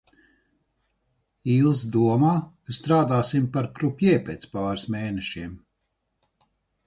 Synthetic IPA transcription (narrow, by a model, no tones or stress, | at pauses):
iːlˠs̬d̪uɔmaːkst̪ɾaːd̪aːsimpaɾkɾupʲjɛɛpʲḛːt̪spaːɾsmeːnɛʃiɛm